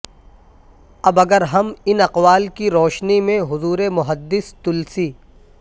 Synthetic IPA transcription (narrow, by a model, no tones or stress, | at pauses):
ɐbɐɡəɾɦɐmɪnɐqʋaːlkiɾoːʃnimẽɦʊzuːɾemʊɦəd̪ːɪst̪ʊlsiː